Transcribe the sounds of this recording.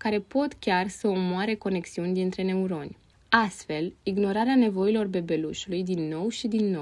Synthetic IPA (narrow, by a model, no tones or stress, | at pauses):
kaɾe̞po̞t̪kʲarsəomoaɾe̞ko̞ne̞ksiunʲd̪int̪ɾe̞ne̞uɾo̞nʲ | ast̪fe̞liɡno̞ɾaɾeane̞vo̞ilo̞rbe̞be̞luʃulujd̪inːo̞wʃid̪inːo